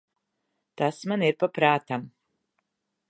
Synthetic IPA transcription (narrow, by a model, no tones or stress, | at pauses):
tʰasmanirpapʰraːtʰam